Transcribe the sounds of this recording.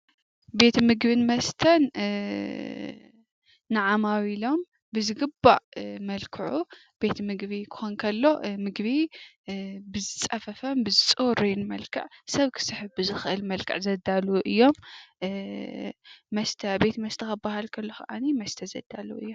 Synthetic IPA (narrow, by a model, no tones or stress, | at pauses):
be̞t̪ʰmɨɡbɨnmɐst̪ʰɐn | ɨʕamawilo̞m | bɨzɨɡɨba̰ʕmɐlkʰɨʕu | b̥e̞t̪ʰmɨɡβikʰɨ̥xonkʰɐlːo̞mɨɡβi | bɨzɨt͡sʼɐfɐfɐmbɨzɨt͡sʼuɾinmɐlkʰɨ̰ʕsɐβkʰɨ̥sɨħɨβbɨzɨxɨʔɨlmɐlkʰɨ̰ʕzɐd̪aluʔɨjːo̞m | mɐst̪ʰɐbe̞t̪mɐst̪ʰɐkɐbahalkʰɐlːo̞kʰɐʔanimɐst̪ʰɐzɐd̪̥ːaluɨ̰jːom